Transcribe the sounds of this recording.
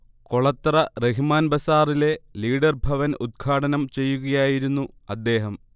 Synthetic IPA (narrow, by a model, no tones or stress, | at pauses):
koɭɐt̪ːrɐreɦimaːnbɐsaːrile̞liːɽɐrbʱɐʋɐnud̪̚ɡʰʱaːɽɐnɐmt͡ɕe̞jːuɣɐjaːjiɾunːuɐd̪ːe̞ːɦɐm